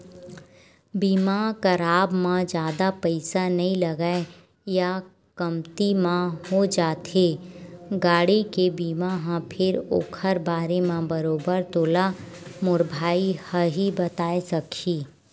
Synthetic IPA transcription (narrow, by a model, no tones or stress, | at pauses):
biːmakəɾaːbmãd͡ʒjaːd̪apəɪsanɐɦĩlɐɡae | ja | kəmt̪imãɦod͡ʒaːt̪eːɡaːɽikebiːmaɦãpʰɪɾo̰ːkʰəɾbaːɾemãbəɾoːbəɾt̪oːla | mʊɾbʱaːihəɦibət̪aːesɐkʰiː